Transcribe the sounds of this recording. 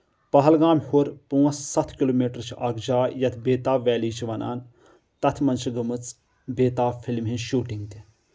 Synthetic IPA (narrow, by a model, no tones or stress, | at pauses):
pɐɦɐlɡaːmhuɾpuːɐssɐt̪ʰkiloːmiːʈəɾt͡ʃʰiʔɐɡd͡ʒaːjɐt̪ʰbeːt̪aːʋʲɛːliːt͡ʃʰiʋɐna̰ːn | t̪ɐt̪ʰmɐnt͡ʃʰiɡɐmɨt͡s | beːt̪aːfʰilmɦẽʃuːʈiŋɡt̪i